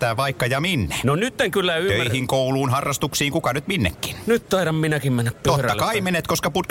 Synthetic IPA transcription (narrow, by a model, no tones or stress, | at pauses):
t̪æːʋɑikːɑjɑminːenonyt̪ːeŋkylːæyøihiŋkouluːnhɑrːɑst̪uksiːŋkukɑnyt̪minːḛkːi̥nnyt̪t̪ɑiɾɑmminækimmenːæpptotrːɑkɑimenet̪koskɑput̪k